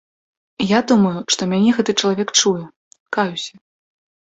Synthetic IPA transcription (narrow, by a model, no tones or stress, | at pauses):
jad̪umɐjuʂt̪ɔmʲanʲɛɣɛt̪ɨt͡ʂɐlˠavʲɛkt͡ʂujɛ | kajusʲɐ̥